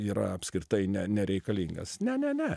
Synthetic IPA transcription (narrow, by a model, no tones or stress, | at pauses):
iːɾɐ̰ɐpʲsʲkɾʲɪt̪ɐɪnʲɛnʲɛɾʲɛɪkɐlʲiːŋɡɐ̰snʲɛnʲɛnʲɛ